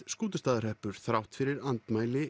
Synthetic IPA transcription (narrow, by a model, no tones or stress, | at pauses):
skuːt̪̬ʏst̪aːðaɾ̥hɛhpʏɾ̥θɾawht̪fɪɾɪɾant̪maːjlɪ